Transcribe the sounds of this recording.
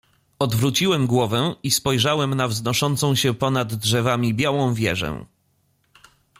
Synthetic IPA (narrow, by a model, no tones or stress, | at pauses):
ɔd̪vɾut͡ɕiwɛmɡwɔvɛispɔjʐawɛmnavznɔʂɔnt̪sɔ̃w̃ɕɛpɔnad̪ːʐɛvamʲibʲjawɔ̃w̃vʲjɛ̰ʐɛ̰̃